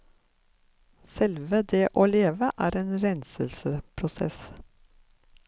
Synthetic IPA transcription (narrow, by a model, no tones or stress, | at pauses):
sɛlʋəd̪eːʔoːleːʋəʔæːɾeːnɾɛnsəlsəpʰɾʊsɛ̰s